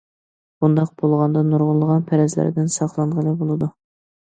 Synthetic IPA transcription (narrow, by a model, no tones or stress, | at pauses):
b̥und̪ɑq̚b̥olˠʁɑnd̪ɑnuɾʁʊlˠːəʁɑnpʰæɾɛzlæ̰ɾd̪ɪnsɑχlˠɑɴʁəlˠɨbolˠɨd̪u